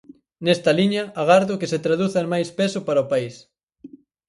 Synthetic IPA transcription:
nest̪ɐliɲɐaɣaɾðʊkeset̪ɾaðuθamajspesʊpaɾɐopais

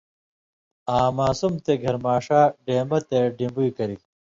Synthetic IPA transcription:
aːmaːsumt̪eɡʱɐɾmaːʂaːɖeːmɐt̪eɖimbujkɐɾi

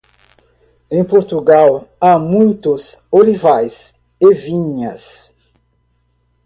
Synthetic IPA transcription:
ẽj̃poɾt̪uɡawamũj̃t̪ʊsolivajs | evĩɲɐs

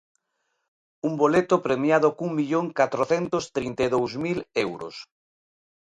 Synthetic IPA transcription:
umbolet̪ʊpɾemjaðʊkuŋmiʎoŋkat̪ɾoθent̪ʊst̪ɾint̪eðowzmilewɾʊ̰s

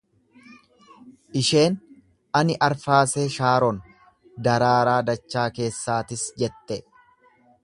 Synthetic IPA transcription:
ʔɪʃe̞ːn | ɐnɪʔɐɾfaːseːʃaːɾɔn | d̪ɐɾaːɾaːd̪ɐt͡ʃːaːke̞ːsːaːt̪ɪsd͡ʒɛt̪ːɛ

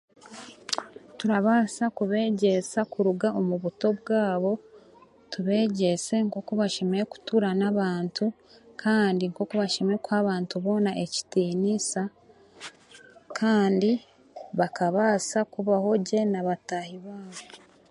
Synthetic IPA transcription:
tuɾaβaːsakuβe̞ːɟe̞sakuɾuɡaomuβuto̞βɡaːβo̞ | tuβe̞ːɟe̞se̞ŋko̞kuβaʃemeɾeku̥tuɾanaβaːntu | kʰaːndiŋko̞kuβaʃemeekwhaːβaːntuβo̞naʔe̞ci̥tiːnisa | kʰaːndi | βakaβaːsakuβaho̞ɟe̞naβatahiβaːβo

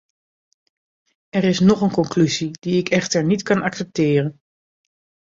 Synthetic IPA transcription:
ɛrɪsnɔχənkɔŋklyzidiɪkʰɛχtəɹnitkɑnɑksɛp̚tɪːrən

